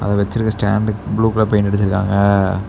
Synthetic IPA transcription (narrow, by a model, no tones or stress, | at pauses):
ʔɐ̰ðɐ̃ʋɛt͡ʃːɪɾɯkːɐsʈa̰ːɳɖbluːkɐlɐpɐjnɐɽɯt͡ʃːɪɾɯkːa̰ːŋɡɐ